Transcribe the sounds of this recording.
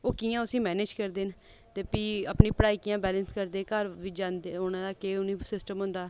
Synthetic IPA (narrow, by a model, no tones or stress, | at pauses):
oːkiːjãːʊsĩːmɛːneːd͡ʒkəɾd̪eːn | t̪eːpiːəpniːpəɽaːiːkɪjãːbɛːlənskəɾd̪eːkəɾʋɪd͡ʒãːnd̪eɦoːnãːd̪aːkeːʊniːsɪsʈəmɦʊ̃nd̪aː